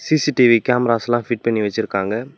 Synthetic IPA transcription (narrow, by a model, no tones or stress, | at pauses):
siːsiʈiʋikaːmɐɾaːslãːfɪʈ̚pɐɳːiʋɐt͡ʃːɪɾɯkːaːŋɡɐ